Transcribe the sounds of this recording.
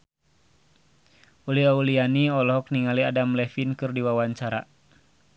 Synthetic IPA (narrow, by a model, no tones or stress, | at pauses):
uliaulianiɔlɔɦɔk̚niŋaliadamlɛfinkɨrdiwawaɲt͡ʃaɾa